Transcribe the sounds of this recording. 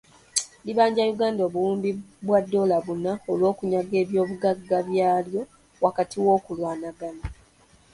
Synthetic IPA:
liβaːɲɟajuɡaːndoβuuːmbibwadːo̞ːlaβunaolwo̞ːkuɲaɡe̞ːβjo̞ːβuɡaɡːaβjaːljo̞ | wakatʰiwo̞ːkulwaːnaɡana

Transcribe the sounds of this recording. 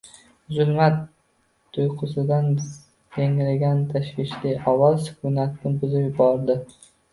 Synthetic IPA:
zʊlmat̪ːʰ | ʊjqʰʊsɪd̪an | jeŋlɪɡʲant̪ʰaʃwɪʃlijɒwɒlsʊ̥kʰʊnat̪̚nɪbʊzɪpjʊbɒɾd̪ɪ

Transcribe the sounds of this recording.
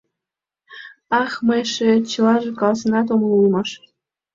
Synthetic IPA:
ɑχmɤjʃĕt͡ɕɤ̆lɑʒĕkɑlsɤ̆nɑt̪̬oməlˠulmɑʃ

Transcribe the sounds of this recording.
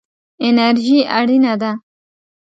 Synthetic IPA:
enaɾʒia̰ɽinad̪a

